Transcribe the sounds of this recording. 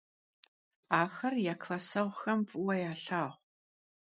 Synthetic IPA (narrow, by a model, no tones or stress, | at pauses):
aːxɐrjaːkʰlɐsɐʁʷxɐmpʼɨwɐjaːɬaːʁʷ